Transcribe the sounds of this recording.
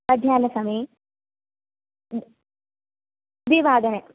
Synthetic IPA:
ɐd̪ʱjaːnɐsɐmi | d̪iʋaːd̪ɐne

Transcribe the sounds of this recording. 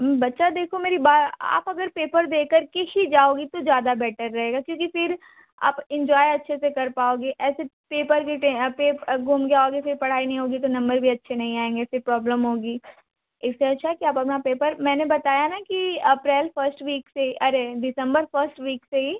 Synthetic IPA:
bɐtːʃad̪eːkʰomeːɾibaːt̪a̰ːpɐɡəɾpeːpəɾd̪eːkəɾkehid͡ʒaːoːɡit̪od͡ʒjaːd̪abɛːʈəɾːɐɦeːɡakjõːkifɪɾ | a̰ːpɪ̃ɲd͡ʒɔːjɐtːʃʰesekɐɾpaːoːɡiʔɛːsepeːpəɾkeʈẽpeːpɡʱuːmɡejaoɡifɪɾpɐɽ̤aːinɐɦĩɦoːɡit̪onɐ̃mbəɾbʱiɐtːʃʰenɐɦĩaːẽːŋɡefɪɾpɾɔːbləmɦoːɡiː | ɪsːeɐtːʃʰaɦɛkiaːpɐpnapeːpəɾmɛ̃ːnebɐt̪aːjanakiɐpɾɛːlfəɾsʈʋiːkseiʔɐɾeɖɪsə̃mbəɾfəɾsʈʋiːkseɦiː

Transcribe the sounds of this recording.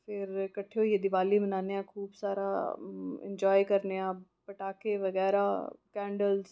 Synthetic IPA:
pʰɪɾkəʈʰːeojed̪ɪʋaːlimənaːnejãkʰuːbsaːɾaːɪ̰̃ɲd͡ʒɔːjkəɾneãː | pəʈaːkeʋəɣɛːɾaːkɛ̃ːɳɖəlz

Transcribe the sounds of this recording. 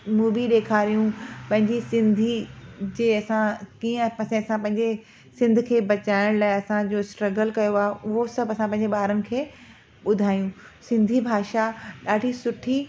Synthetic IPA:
muːʋiɗeːkʰaːɾijũpɐ̃ɦɪ̃ɲd͡ʑisɪ̃nd̪ʱid͡ʑeːɐsãkiːə̃pɐsẽɐsãpɐ̃ɦɪ̃ɲ̆d͡ʑe | sɪ̃nd̪ʱʊ̆kʰeːbɐt͡ɕaːɪɽ̃laːɪɐsãd͡ʑoːsʈɾɐɡəlkɐjoaːɦʔʊɦosɐbɐsãpɐ̃ɦɪ̃ɲd͡ʑeɓaːɾənɪ̆kʰeː | ɓʊd̪ʱaːjũ | sɪ̃nd̪ʱibʱaːʃaɗaːɖʱisʊʈʰi

